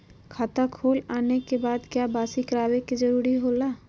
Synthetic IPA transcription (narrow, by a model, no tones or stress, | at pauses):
kʰaːt̪akʰoːlaːnekebaːd̪kjaːbaːsikəɾaːʋekid͡ʒəɾuːɾiɦoːlaː